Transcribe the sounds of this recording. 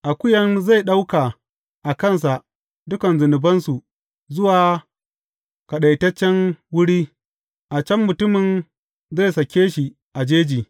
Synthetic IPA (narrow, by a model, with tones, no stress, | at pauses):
ʔa˨kʷʊ˦jɐ˦nza˦˨jɗa˦wka˨ | ʔa˨kɐ˦˨ns̬a˨ʔ | dʊ˦kɐ˨nzʊ˨nɪ˨bɐ˦nsu˨ | zʊ˦waː˨ | ka˨ɗa˨jtɐ˦t͡ʃːɛ˦nwʊ˦ɽiː˦ | ʔa˨t͡ʃɐ˦mːʊ˨tʊ˦mɪ˨n | za˦˨jsɐ˨kʲeː˦ʃi˨ | ʔa˨d͡ʒeː˦d͡ʒiː˨